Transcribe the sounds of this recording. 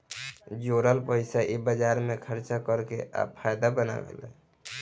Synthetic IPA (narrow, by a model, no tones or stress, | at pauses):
d͡ʒoɾəlpəɪsaʔibəd͡ʒaɾmekʰəɾt͡ʃakəɾkeʔa̰pʰajd̪abəna̰ɡḛlɛ̰